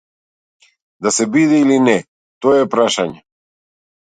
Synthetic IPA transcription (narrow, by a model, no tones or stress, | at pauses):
d̪asɛbid̪ɛilinɛ | t̪ɔɛpɾaʃaɲɛ